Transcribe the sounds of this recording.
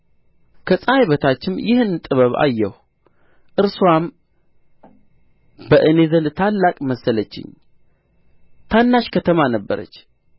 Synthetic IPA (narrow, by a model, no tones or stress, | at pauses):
kʰəsʼajβət̪ʰat͡ʃːɪmjɪhɨnt̪ʼɨβəβa̰jːɛh | ʔɨɾswam | bəʔɨnezəlt̪ʰalːakʼməsːələt͡ʃːɪ̰ɲ | t̪ʰanːaʃkʰət̪ʰəmanəbːəɾə̰t͡ʃː